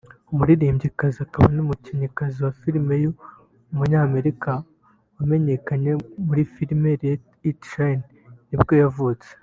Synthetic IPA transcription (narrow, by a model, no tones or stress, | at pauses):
umuɾiɾiːmɟikaziakaβa̰numuciɲikaziwafiɾime̞jo | umuɲaːme̞ɾika | wame̞ɲe̞kaɲe̞muɾifiɾmeɾe | tɾen | nibɡo̞javut͡se̥